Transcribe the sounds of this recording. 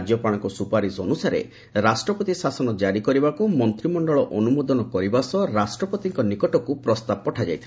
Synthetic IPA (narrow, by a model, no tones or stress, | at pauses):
d͡ʒjɔpaɽ̃ɔ̃ŋkɔsupaɾisɔnusaɾḛ | ɾasʈɾɔpɔt̪isasɔnɔd͡ʒaɾikɔɾibakumɔnt̪ɾimɔɳɖɔɭɔʔɔnumod̪ɔnɔkɔɾibasɔɾasʈɾɔpɔt̪iŋkɔnikɔʈɔkupɾɔst̪ab̚pɔʈʰad͡ʒa̰jt̪ʰ